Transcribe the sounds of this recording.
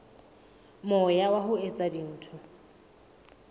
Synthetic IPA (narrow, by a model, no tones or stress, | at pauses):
mʊjawaɦʊet͡sʼadin̩ːtʰʊ